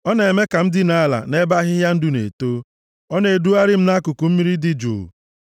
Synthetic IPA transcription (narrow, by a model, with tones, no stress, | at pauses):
ɔ˦ne˨me˦ka˨m̩˦dɪ˦na˦la̰˨ne˦ba˦ɦɪ˦ja˦n̩˦dʊ˦nḛ˨to˦ | ɔ˦ne˨e˨du˦a˦ɾɪ˦m̩˦na˦kʊ˨ku˨m̩˦mi˦ɾi˦dɪ˦d͡ʒṵ˨